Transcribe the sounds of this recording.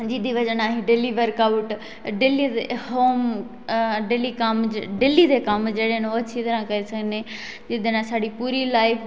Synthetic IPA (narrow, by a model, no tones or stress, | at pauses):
d͡ʒiːd̪iʋɐd͡ʒənaːɦiɖeliʋəɾkaʋʈ | ɖelieɦoːm | ɖelikamɖelid̪ekɐmd͡ʒeːɽenoɐt͡ʃʰit̪ɐɾãkɐɾesɐɡʱnẽ | d͡ʒid̪enãsaːɽipuːɾilaːɪfʰ